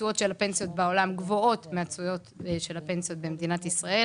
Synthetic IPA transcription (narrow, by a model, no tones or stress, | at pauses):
ujo̞tʃe̞lape̞nsijo̞tbao̞lamɡvo̞o̞tmeat͡sujo̞t̪ʃe̞lape̞nsijo̞tbemed̪inatisʁae